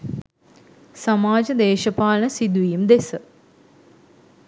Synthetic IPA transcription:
samaːd͡ʒəd̪eːʃəpaːlənəsid̪uʋijumd̪esə

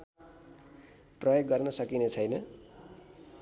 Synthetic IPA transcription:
prʌjoɡːʌrnʌsʌkinet͡sʰʌjnʌ

